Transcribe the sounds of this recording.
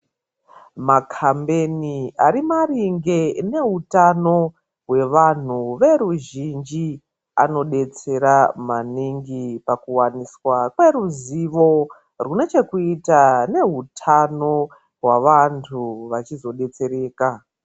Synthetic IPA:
makʰambe̞niaɾimariŋɡe̞ne̞ɦutano̞ | ɦwe̞ʋan̤uʋe̞ɾuʒind͡ʒi | a̰no̞ɗe̞t͡se̞ɾamaniŋɡipakuwaniswakwe̞ɾuziʋo̞ | rune̞t͡ʃe̞kuitane̞ɦutʰano̞ | ɦwaʋantʰuʋat͡ʃizo̞ɗe̞t͡se̞ɾe̞ːka

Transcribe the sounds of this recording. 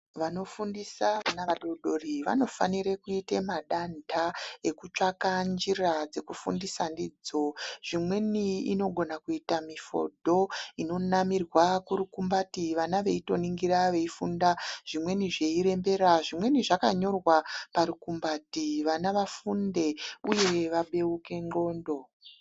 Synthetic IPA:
ʋano̞fundisaanaaɗoɗo̞riʋa̰no̞fa̰niɾekuitemaɗandʱae̞kut͡ʂakand͡ʒirad͡ze̞kufundisandid͡zoʐ̥imwe̞niḭno̞ɡʱo̞nakuitamifo̰dʱo̞ino̞namirwakuɾukumbatiʋanaʋe̞ito̞niŋɡiɾaʋe̞ifṵndaʐ̥imwe̞niʐe̞iɾe̞mbe̞ɾaʐimwe̞niʐakaɲo̞rwapaɾukumbatiʋanaʋafunde̞uje̞ʋaɓe̞uke̞ŋ͡ǃo̞ːndo̞

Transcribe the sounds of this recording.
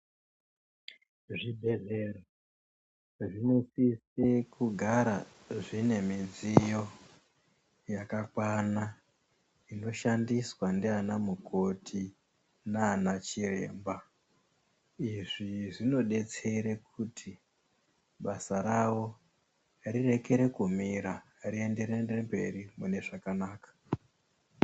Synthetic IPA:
ʐibʱe̞zero | ʐinosisekuɡʱaɾa | ʐine̞mid͡zijo̞ | jakakwana | ino̞ʃandiswandianamukʰo̞tʰi | nanat͡ʃire̞̰ːmba | iʐiʐino̞ɗe̞t͡se̞ɾekʰutʰi | ɓasaɾawo̞ | rire̞ke̞ɾe̞kumiɾa | rie̞nde̞ɾendembe̞ɾimune̞ʐakanaːkḁ

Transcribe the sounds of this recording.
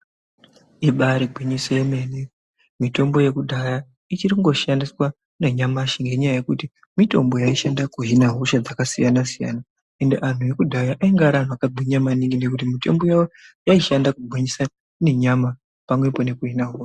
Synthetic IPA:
iɓaɾiɡʱwiɲisojeme̞ne | mito̞mbo̞je̞kudʱaja | it͡ʃirikuŋɡo̞ʃandiswa | neɲamaʃiŋɡe̞ɲajaje̞kuti | mito̞̰mbo̞jaiʃandakuɦinaɦoʃad͡zakasijanasija̰na | e̞ndeʔan̤uje̞kudʱajaʔaiŋɡaɾan̤uakaɡʱiɲamaniŋɡine̞kut̬imito̞̰mbo̞jajojaiʃandakuɡʱiɲisa | ne̞ɲama | pamwe̞po̞ne̞kuɦinaɦoːʃa

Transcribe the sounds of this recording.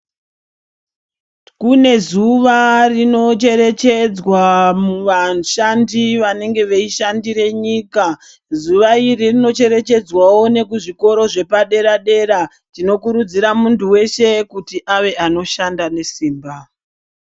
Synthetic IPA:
kune̞zuʋarino̞t͡ʃe̞ɾe̞t͡ʃe̞d͡zwamuʋaʃandiʋane̞ŋɡe̞ʋeiʃandiɾe̞ɲiːka | zuʋairirino̞t͡ʃe̞ɾe̞t͡ʃe̞d͡zwawo̞ne̞kuʐiko̞ɾo̞ʐe̞paɗe̞ɾaɗe̞ɾa | tino̞kuɾud͡ziɾamuntuwe̞ʃe̞kutiʔaʋe̞ʔano̞ʃandane̞siːmba

